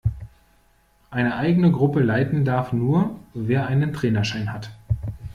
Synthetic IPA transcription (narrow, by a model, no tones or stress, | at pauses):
ʔaɪnəʔaɪɡənəɡʁʊpəlaɪtn̩daɐfnuːɐveːɐʔaɪnəntʁ̥ɛːnɐʃaɪnhat